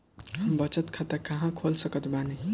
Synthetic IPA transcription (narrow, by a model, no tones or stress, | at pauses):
mbʌt͡sʌt̪kʰat̪akaɦãkʰolsʌkʌt̪bane